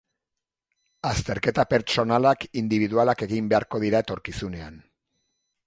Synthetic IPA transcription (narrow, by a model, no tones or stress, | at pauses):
ast̪e̞ɾke̞t̪ape̞ɾt͡ʃo̞nalakind̪iβiðualake̞ɣimbe̞aɾko̞ð̞iɾae̞t̪o̞ɾkisune̞an